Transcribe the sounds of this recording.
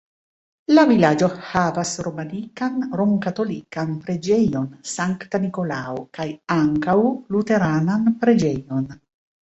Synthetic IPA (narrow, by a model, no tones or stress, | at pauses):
lavilad͡ʒo̞havasɾomanikanɾomkat̪o̞likanpɾe̞d͡ʒejonsaŋkt̪aniko̞laokajaŋkawlut̪e̞ɾananpɾed͡ʒejo̞n